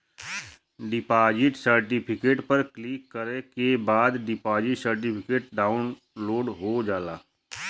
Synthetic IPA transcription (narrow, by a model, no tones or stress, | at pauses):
ɖɪpaːd͡ʒɪʈsəɾʈɪpʰɪkeːʈpəɾklikːəɾekebaːd̪ɖɪpaːd͡ʒɪʈsəɾʈ̬ɪpʰɪkeːʈ̚ɖaːʊn | loːɖɦod͡ʒaːlaː